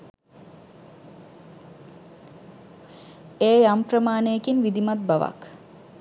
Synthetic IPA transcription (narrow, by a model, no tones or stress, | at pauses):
eːjamprəmaːnejekinʋid̪imat̪̚baʋa̰k